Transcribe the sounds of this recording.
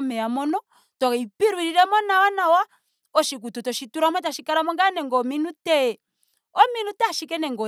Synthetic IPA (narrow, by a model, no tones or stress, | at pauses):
mɛamɔnɔ | tɔkipiɾuiɾiɾɛmɔnawanawa | ɔʃik̬ututɔʃituɾamataʃikaɾamɔŋɡanɛŋɡɔminutɛ | ɔminutaʃikɛnɛŋɡɔ